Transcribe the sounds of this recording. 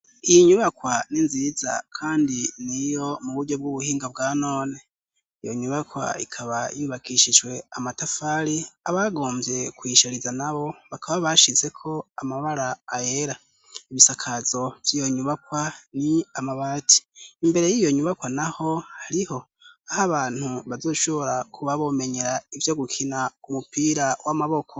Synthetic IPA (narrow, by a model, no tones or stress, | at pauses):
ijiɲuβakwaninziːza̰kʰaːndinijo̞muβuɾɟo̞b̚ɡuβuhiːŋɡab̚ɡaːno̞ːne̞ | ijo̞ɲuβakwa̰ḭkʰaβajuβakiʃid͡ʒwe̞amatafaːɾiaβaɡo̞ːmvje̞kwiːʃaɾizanaβo̞βakʰaβaβaʃize̞kʰo̞amaβaɾaːjeɾa | iβisakʰazo̞vjijo̞ɲuβakwaniamaβatʰi̥ːmbe̞ɾe̞jijo̞ɲuβakwanaho̞haɾiho̞ | ahaβaːn̥huβazo̞ːʃo̞βo̞ɾakʰuβaβo̞me̞ɲe̞ɾaivjo̞ɡukʰinaumupiːɾawamaβo̞kʰo